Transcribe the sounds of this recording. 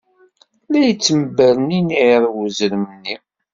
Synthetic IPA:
læjət͡sːəmbæɾniniʕɾˤwuzɾəmnːi

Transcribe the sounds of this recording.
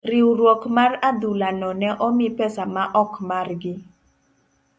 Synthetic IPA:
rɪuɾwɔkmarad̪ulanɔnɛʔɔmɪpɛsamaʔɔkmarɡɪ

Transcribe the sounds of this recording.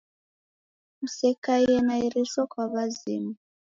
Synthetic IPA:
musɛkaiɛnaiɾiʃɔkwaβazimu

